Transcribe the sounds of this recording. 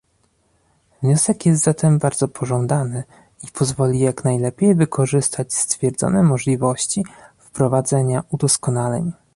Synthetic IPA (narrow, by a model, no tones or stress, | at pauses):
vɲɔsɛkjɛst̪zat̪ʰɛmbaɾd̪zɔpʰɔʐɔnd̪anɘ | ipʰɔzvɔlʲijaknajlɛpʲjejvɘkʰɔʐɘst̪ʰat͡ɕst̪fʲjɛɾd̪zɔ̰nɛmɔʐlʲivɔɕt͡ɕifpɾɔvad̪zɛɲaud̪ɔskɔnalɛ̰ɲ